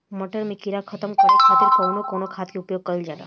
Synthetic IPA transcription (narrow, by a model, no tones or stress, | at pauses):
məʈəɾmikiɾakʰət̪əmkəkʰat̪iɾkɔwnokonokʰat̪kiʊpjoɡ̚kəild͡ʒala̰